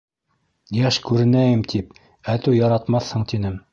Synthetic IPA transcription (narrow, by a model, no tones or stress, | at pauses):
jæʃkʉɾɘ̆næjɘmt̪ʰip̚ | æt̪ʉjɑɾɑt̪mɑθhɤɴt̪inɘm